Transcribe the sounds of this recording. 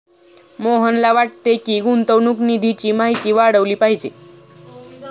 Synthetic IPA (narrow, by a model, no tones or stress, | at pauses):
moɦənlaʋaʈ̚t̪ekiːɡunt̪əʋnuːknid̪ʱit͡ɕiːmaɦit̪iːʋaɽəʋliːpaɦid͡ʑe